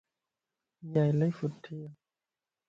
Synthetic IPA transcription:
jajlɛjfut̪ʰːiəw

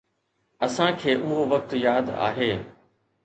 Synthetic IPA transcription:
ɐsãkʰeːʔʊɦoʋək̚t̪jaːd̪a̰ːɦeː

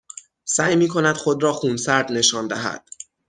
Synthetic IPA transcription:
sæːjmiːkʰo̞næd̪̥xod̪ɾɒːxuːnsæɾd̪ne̞ʃɒːnd̪æɦæ̰d̪̥

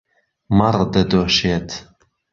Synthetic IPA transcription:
mɐrd̪ɐd̪oːʃeːt̪ʰ

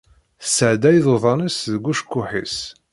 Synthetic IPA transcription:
θsəʕd̪æjðoðˤɑnisðəɡʷuʃkːʊħis

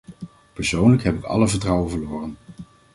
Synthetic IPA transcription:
pəɹsownləkɦɛpɪkɑ̰ləvəɹtrɑwəvəlʊːrən

